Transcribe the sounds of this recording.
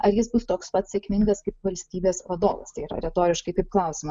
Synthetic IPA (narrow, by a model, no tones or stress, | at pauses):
ɐɾjɪsbʊst̪oːkspɐt̪sʲeɛkʲmʲɪŋɡɐskɐɪpʋɐlʲsʲt̪ʲiːbʲeːsʋɐd̪o̰ːʋɐ̰st̪ɐɪiːɾɐ̰ɾʲɛt̪oːɾʲɪʃkɐɪkɐɪp̚klˠɐˑʊsʲɪmɐ